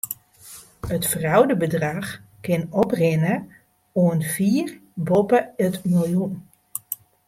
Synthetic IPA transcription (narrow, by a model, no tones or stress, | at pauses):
ətfrɑwdəbədraχkɪnɔprɪnə | oənviːrbɔpəətmojun